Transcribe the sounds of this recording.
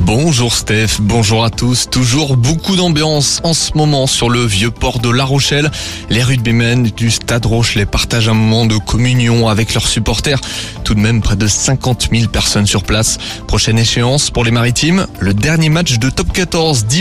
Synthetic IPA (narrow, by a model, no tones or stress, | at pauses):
bɔ̃ʒuʁst̪ɛfbɔ̃ʒuʁat̪ust̪uʒuʁbokud̪ɑ̃bjɑ̃sɑ̃səmɔmɑ̃syʁləvjøpɔʁd̪əlaʁoʃɛl | leʁyd̪̚bimɛnd̪yst̪ad̪ʁoʃlepaʁt̪aʒɛ̃mɔmɑ̃d̪əkʰɔmynjɔ̃avɛklœʁsypɔʁt̪ɛʁ | t̪ud̪mɛmpχɛd̪əsɛ̃kɑ̃t̪milpɛʁsɔnsyʁplas | pχɔʃɛneʃeɑ̃spuʁlemaʁit̪imləd̪ɛʁnjemat͡ʃd̪ət̪ɔp̚kat̪ɔʁzd̪i